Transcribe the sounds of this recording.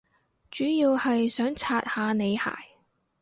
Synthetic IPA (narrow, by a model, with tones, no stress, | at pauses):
t͡ʃyː˨˥jiː˧whɐ˨jsœː˨˥ŋt͡sʰaː˧t̚haː˨˧ne˨˧jha̰ː˨˩j